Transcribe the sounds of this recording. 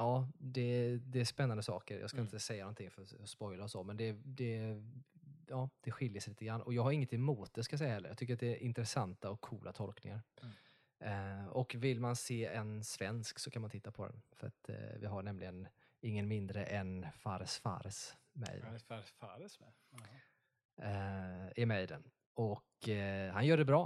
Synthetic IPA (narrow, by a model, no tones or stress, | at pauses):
ɑːd̪ɛd̪ɛːʂpɛnːand̪əsɑ̰ːkəɾjɑ̰ːɡskaɪnt̪əsɛjːanɔnt̪ʰɪŋfœɾɔspɔjlaɔsoːmɛnd̪ɛd̪ɛ | ɑːd̪̥ɛɧɪljəsliːt̪əɡɾanːɔjɑːɡhaɾɪŋːət̪ɪmuːt̪̚d̪əskajasɛjːaɦɛlːəɾjɑ̰t̪ʰʏk̬ːəɾat̪d̪ɛʔɪnt̪ɾɛsant̪aɔkʰːuːlʔat̪ʰɔlknɪ̰ŋaɾ | ɔkvɪlmanseːɛnsvɛnsksɔkʰanmant̪ʰɪt̪ːapʰɔd̪ɛ̰nfœɾa̰t̪vɪɦaɳɛmlɪɡən | ɪŋːənmɪnd̪ɾəʔɛnfaɾəsfa̰ɾəsmɛ̰jd̪faɾ | ɪmɛjd̪ɛn | ɔkhanjœːɖɛbɾɑː